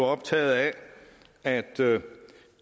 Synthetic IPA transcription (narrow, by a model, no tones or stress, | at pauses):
ɒ̽b̥̚t͡sʰɛ̰ːð̩ˠæ | æd̥